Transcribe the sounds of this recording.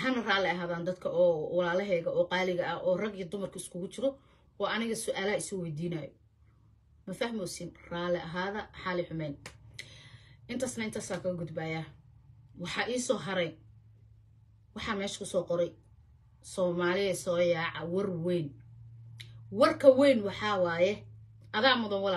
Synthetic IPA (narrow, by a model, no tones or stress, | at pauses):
hɐnɐraːlɛɐɦaːðaːnd̪ɐd̪kʰɐʔɔːwɑlaːlɐɦɛːɣɐʔɔːqɑːlɪɣɐʔɐɔːrɐɡijɔd̪ʊmɐrkʰɐɪskʰʊɣʊt͡ʃɪɾɔ | wɑːʔɐnɪɣɐsʊʔaːlɐɦɐɪswɛjd̪iːnɐːjɔ | mɐfɐhmɔsɪnraːlɛʔɐɦaːðɐħɑːlɪħʊmɛjn | ʔɪnt̪ʰaːsnɐɪnt̪ʰaːsaːkʰɐɣɐɡʊd̪baːjaː | wɑħɑːʔiːsɔːɦɐɾɛj | wɑħɑːmɛːʃɐ̥kʰʊsɔːqɔɾɛj | sɔːmaːlɪɛsɔːjɑːʕɑwɑrwɛjn | wɐrkʰɐwɛjnwɑħɑːwɑːjɛʔɐðaːmʊðɐnwɑlː